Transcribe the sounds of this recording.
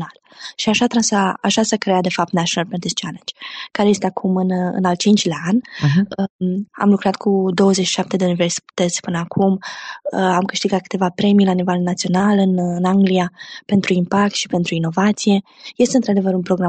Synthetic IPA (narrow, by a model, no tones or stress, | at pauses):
nal | ʃiaʃat̪ɾasaaʃasəkɾead̪e̞fap̚t̪naʃonalpɛnt̪ist͡ʃalend͡ʒkaɾe̞je̞st̪e̞akʰumɨnɨ̰nal̚t͡ʃint͡ʃʲlaanʲəa̰mlukɾat̪kʰud̪o̞wəzet͡ʃʃi̥ʃap̚t̪e̞d̪e̞univeɾsi̥t̪et̪sʲpɨnəakʰuməamkɨʃt̪iɡat̪̚kɨ̥t̪evapɾe̞mijlanive̞lnat̪sio̞nalɨnɨnaŋɡliape̞nt̪ɾuimpak̚t̪ʃi̥pe̞nt̪ɾuino̞vat̪sije̞je̞st̪eɨnt̪ɾad̪e̞vəɾunpɾo̞ɡɾa